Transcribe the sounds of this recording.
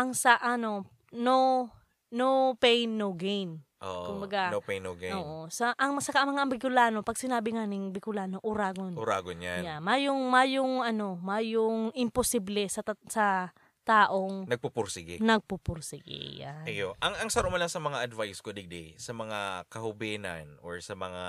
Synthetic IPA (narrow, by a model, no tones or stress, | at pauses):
ʔɐŋsɐʔɐno̞ | now | nowpɛjnːowɡejnʔo̰ːʔʔkʊmbɐɡanopɛjnːowɡɛʔoːʔosɐʔɐŋmɐsɐkaʔɐmɐŋaʔɐŋbɪkʊlaːnopɐɡ̚sɪnaːbɪŋaːnɪŋbɪkʊlaːnoʔʊɾaːɡonʊɾaːɡonja̰njamajʊŋmajʊŋʔɐno̞majʊŋɪmposiblɛsɐsɐ | t̪aːʔo̞ŋnɐɡ̚pupʊɾsɪɡɪnɐɡ̚pupʊɾsɪɡɪ̰ja̰ɐjoʔɐŋʔɐŋsɐɾoʔmɐlɐŋsɐmɐŋaʔɐd̪vajskod̪ɪɡ̚d̪ɛjsɐmɐŋakɐhʊbɛːnɐ̰nʔoɹsɐmɐŋa